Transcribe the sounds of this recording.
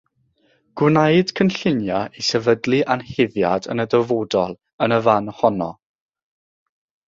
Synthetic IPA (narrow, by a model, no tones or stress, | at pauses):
ɡ̥wnajd̥kʰənɬɪnjaʔisɛvədlˠiʔanhɪvjadə̰nədəvodɔlˠ | ənəvanhɔnɔ̰